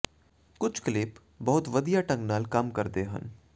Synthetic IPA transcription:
kʊt͡ʃʰklɪːp | bɐɦʊt̪ʋɐd̪ijaʈɐ̃ŋɡnaːlkɐmkɐɾd̪eɦə̰̃n

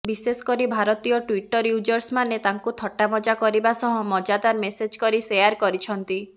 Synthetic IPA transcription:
bisesɔ̥kɔɾibʱaɾɔt̪ijɔʈwiʈɔɾjud͡ʒɔɾsmanet̪aŋkut̪ʰɔʈamɔd͡ʒakɔɾibasɔɦɔ̃mɔd͡ʒad̪aɾmesed͡ʒkɔɾisejaɾkɔɾit͡ʃʰɔnt̪i

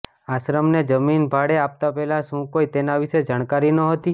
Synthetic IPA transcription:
aʃɾəmned͡ʒəminbʱaɽeap̚t̪apɛɦlaʃũkoit̪enaʋiʃed͡ʒaɽ̃kaɾinəɦət̪i

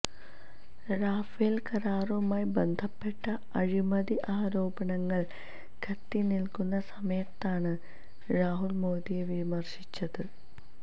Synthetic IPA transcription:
raːfelkɐɾaːrumaːjbe̞nd̪ʱɐpːe̞ʈːɐ | ɐɻimɐðiʔaːɾo̞ːbɐɳɐŋːɐɭ | kʰɐt̪ːinilkunːɐsɐmɐjɐt̪ːaːɳɨ | raːɦulmo̞ːd̪ijeʋimɐrɕit͡ɕːɐðɨ

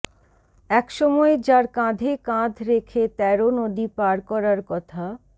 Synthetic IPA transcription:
ɛkʃɔmɔed͡ʑaɾkãd̪ʱekãd̪ʱɾekʰet̪ɛɾonod̪ipaɾkɔɾaɾkɔt̪ʰa

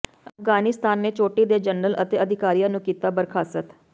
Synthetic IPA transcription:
əfɡaːnɪst̪ʰaːnːeːt͡ʃoːʈiːd̪eːd͡ʒənələ̰t̪eːəd̪ʱɪkaːɾijãːnũːkiːt̪aːbəɾkʰaːsət̪

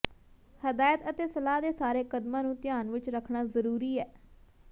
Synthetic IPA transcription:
həd̪aːjət̪ət̪eːsəlaːd̪eːsaːɾeːkəd̪mãːnũːt̪ɪjaːnʋɪt͡ʃɾəkʰɳaːzəɾuːɾiːɛː

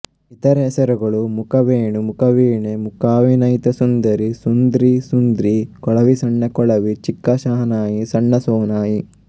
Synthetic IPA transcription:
it̪ɐɾɐɛsɐɾɐɡɐɭumukɐʋeːɳumukɐʋiːɳemukaːʋinɐjt̪ɐsund̪ɐɾisund̪ɾisund̪ɾikɔɭɐʋisɐɳːɐkɔɭɐʋit͡ʃikːɐʃaːɦɐnaːjisɐɳːɐsɔːnaːji

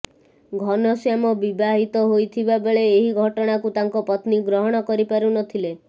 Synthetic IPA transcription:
ɡʱɔnɔsjamɔbibaɦit̪ɔɦojt̪ʰibabeɭeːɦiɡʱɔʈɔɽ̃akut̪aŋkɔpɔt̪niɡɾɔɦɔɽ̃ɔkɔɾipaɾunɔt̪ʰile

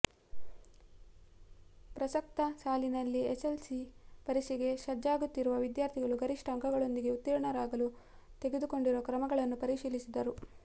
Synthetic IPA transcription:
pɾɐsɐk̚t̪ɐsaːlinɐlːieselsipɐɾisiɡe̞ʃɐd͡ʒːaːɡut̪ːiɾuʋɐʋid̪jaːɾt̪ʰiɡɐɭuɡɐɾiʂʈɐŋkʰɐɡɐɭo̞nd̪iɡe̞ut̪ːiɾɐɳɐɾaːɡɐlu | t̪eɡe̞d̪uko̞ɳɖiɾuʋɐkɾɐmɐɡɐɭɐnːupɐɾiʃiːlisid̪ɐɾu

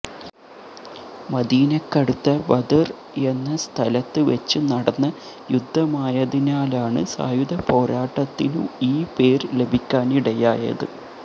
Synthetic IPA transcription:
mɐd̪iːnekːɐɽut̪ːɐʋɐd̪ɐr | e̞nːɐst̪ʰɐlɐt̪ːɨʋɐt͡ɕːɨnɐɽɐnːɐ | jud̪ʱːɐmaːjɐðinaːlaːɳɨ̰sa̰ːjuðɐpo̞ːɾaːʈːɐt̪ːilṵiːpe̞ːrle̞bʱikʲːaːniɽɐjaːjɐ̰ðɨ̰

